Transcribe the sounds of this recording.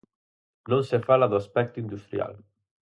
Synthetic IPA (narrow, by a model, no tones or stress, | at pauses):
nõnsefalaðoaspɛk̚t̪ʊind̪ust̪ɾja̰l